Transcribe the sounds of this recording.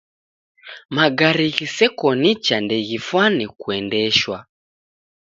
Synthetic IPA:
maɡaɾiɣisɛkɔnit͡ʃandɛɣifwanikuɛndɛʃwa

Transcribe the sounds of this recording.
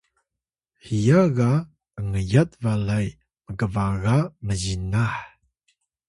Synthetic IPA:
hijaɣa | əŋəjat̚valaj | məɡəvaɣaməzinaħ

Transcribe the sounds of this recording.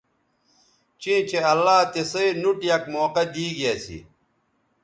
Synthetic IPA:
t͡ɕĩːt͡ɕeɐlːaːt̪esɐinuʈjɐkmoːqɐd̪iːɡijasḭ

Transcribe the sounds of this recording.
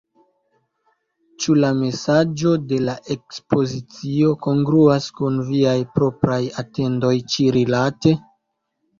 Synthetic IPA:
t͡ʃulame̞sad͡ʒo̞de̞laʔe̞kspo̞zit͡sio̞ko̞ŋɡɾuaskunviajpɾo̞pɾajate̞ndo̞jt͡ʃiɾilate̞

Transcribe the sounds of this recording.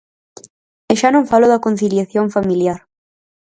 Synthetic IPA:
eʃanõŋfaloðakon̟θiljaθjoŋfamiljaɾ

